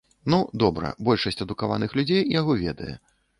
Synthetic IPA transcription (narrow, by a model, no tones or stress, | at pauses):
nud̪ɔbɾɐ̰bɔlʲʂɐsʲt͡sʲɐd̪ukava̰nɨxlʲud͡zʲejjaɣɔvʲɛd̪ɐ̰jɛ̰